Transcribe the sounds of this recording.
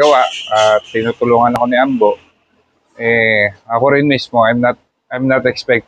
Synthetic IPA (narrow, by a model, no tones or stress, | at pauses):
ɐwaʔat̪ːɪnuːt̪ʊluːŋɐnɐko̞nɪʔambo̞ʔ | ʔɛɐkoɾɪnmismo̞ajmnat̪̚ | ʔajmnat̪ɛkspɛk̪̚